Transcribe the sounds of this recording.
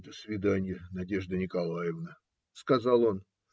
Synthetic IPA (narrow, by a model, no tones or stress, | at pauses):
d̪əsvʲɪd̪anʲjənɐdʲe̞ʐd̪ənʲɪkɐlˠajɪvnə | skɐzɑlˠo̞n